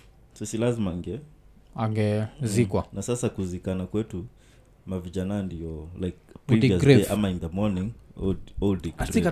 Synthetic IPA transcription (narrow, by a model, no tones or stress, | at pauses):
sisilazimaŋɡɛ | aŋɡɛzikwanasasakuzikanakwɛtu | maviʄanandiɔlajk̚piɡasʔamainðəmɔnĩŋ | ɔldiɡ